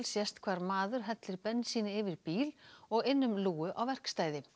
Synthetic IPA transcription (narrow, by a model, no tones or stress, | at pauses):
lsjɛst̪kʰv̥aːɾmaːðʏɾ̥ɦɛt̪lɪɾpɛnːsiːnɪɪvɪɾ̥piːlɔɣɪnːʏmluːʏʔawvɛr̥kst̪aːjðɪ